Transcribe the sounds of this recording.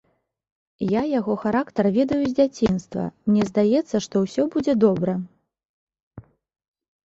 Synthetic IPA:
jajaɣɔxaɾakt̪ɐrvʲɛd̪ɐjuzʲd͡zʲat͡sʲinst̪vɐ̰mnʲɛzʲd̪ajɛt̪sːɐʂt̪ɔwsʲɔbud͡zʲɛd̪ɔbɾɐ

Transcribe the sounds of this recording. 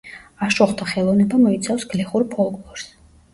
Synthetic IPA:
aʃɔχt̪ʰaχɛlˠɔvnɛbamɔit̪sʰafsɡlɛχuɾpʰɔlˠkʼlɔɾs

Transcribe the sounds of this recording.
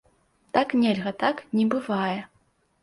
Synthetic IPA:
t̪aknʲelʲɣɐt̪aknʲɛbɨvajɛ

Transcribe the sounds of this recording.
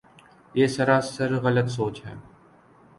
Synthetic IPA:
jeːsɐɾaːsəɾɣələt̪soːt͡ʃɦɛ̰ː

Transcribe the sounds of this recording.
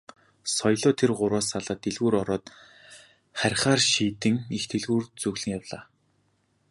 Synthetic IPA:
sɔjɮʊːt̪ʰerɢʊɾaːsaɮaːt̪eɮɣuːɾɔɾɔːt̪ | χæɾʲχaːrʃiːt̪ɘ̆ŋixt̪ʰeɮɣuːrt͡sɵɣɮɘ̆ŋjawɮaː

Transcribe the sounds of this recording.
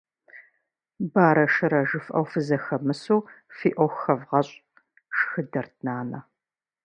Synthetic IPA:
baːɾɐʃɨɾɐʒɨfʔɐ̰wfɨzɐxɐmɨsuːfiːʔʷɔxxɐvʁɐɕʼ | ʂxɨdɐrtʰnaːnɐ̰

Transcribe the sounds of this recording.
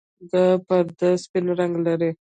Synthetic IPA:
d̪əpəɾd̪əspɪnɾaŋɡlaɾi

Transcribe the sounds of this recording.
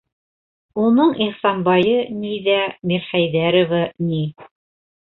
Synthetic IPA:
unɤɴiχsɑnbɑjɤniðæmiɾχæjðæɾŏvani

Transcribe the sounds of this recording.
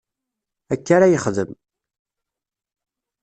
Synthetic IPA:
ækːaɾajəχðəm

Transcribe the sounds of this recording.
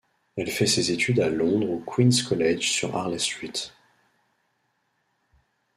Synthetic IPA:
ɛlfɛsezet̪ʰyd̪alɔ̃d̪ʁokʰwinskɔlɛʒsy̰ʁa̰ʁlɛst̪χit̪

